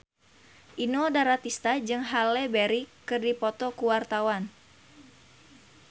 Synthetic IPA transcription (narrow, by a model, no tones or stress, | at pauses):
ʔinodaɾat̪ist̪ad͡ʒɨŋɦalɛbeɾikɨrdipɔt̪ɔkuwart̪awan